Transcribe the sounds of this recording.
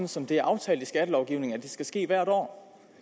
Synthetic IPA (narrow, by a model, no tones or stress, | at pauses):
n̩sɒ̽md̥e̝æɐʔɑ̈ʊt͡sʰɛ̰ːld̥isɡ̥æd̥əlɒʊɡ̥iʊne̝ŋæd̥e̝sɡ̥æsɡ̥e̝̰ːʋæɐ̰ɾ̥ɒ̰ː